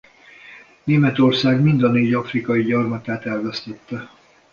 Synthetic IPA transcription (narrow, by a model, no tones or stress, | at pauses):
neːmɛt̪o̞rsaːɡmind̪ɒneːɟɒfrikɒjiɟɒrmɒt̪aːt̪ɛlvɛst̪ɛt̪ːɛ